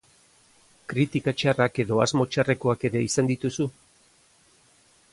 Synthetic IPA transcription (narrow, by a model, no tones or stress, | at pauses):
kɾit̪ikat͡ʃarake̞ðo̞a̰zmo̞t͡ʃare̞ko̞ake̞ɾe̞isand̪it̪usu